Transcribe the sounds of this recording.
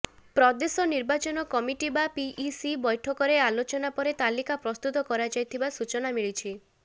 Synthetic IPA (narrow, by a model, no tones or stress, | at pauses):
pɾɔd̪esɔniɾbat͡ʃɔnɔkɔmiʈibapiʔːsibɔjʈʰɔkɔɾealot͡ʃɔnapɔɾet̪alikapɾɔst̪ut̪ɔkɔɾad͡ʒajt̪ʰibasut͡ʃɔnamiɭit͡ʃʰi